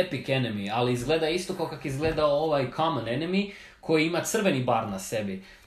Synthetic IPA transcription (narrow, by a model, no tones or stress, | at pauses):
epikenemialiizɡle̞d̪ajeist̪okaokakizɡle̞d̪aooʋajkʰamanenemi | kʰo̞jiimat̪sr̩ʋe̞nibaːɾnase̞bi